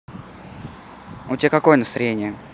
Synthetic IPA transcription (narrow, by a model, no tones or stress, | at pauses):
ʊt̪ʲɪbʲakɐko̞jənəst̪aɾʲenʲɪjə